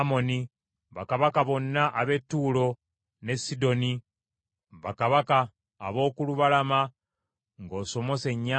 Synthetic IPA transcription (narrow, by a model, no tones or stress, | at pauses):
mo̞ni | βakaβakaβo̞nːaʔaβe̞tːuːlo̞ | ne̞sido̞ni | βakaβaka̰ː | βo̞ːkuluβalama | ŋɡo̞ːso̞mo̞se̞ɲːa